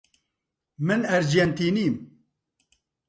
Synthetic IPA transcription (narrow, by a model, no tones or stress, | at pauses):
mɨnɛɾd͡ʒɛnt̪iːniːm